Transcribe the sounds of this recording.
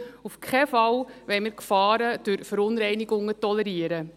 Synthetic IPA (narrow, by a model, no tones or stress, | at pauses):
ufkʰɛfɑwʋɛɪməɾkfɑːɾəd̥ʉɾfəɾʊnɾɛjniɡʊŋːətɔlɛɾiəɾə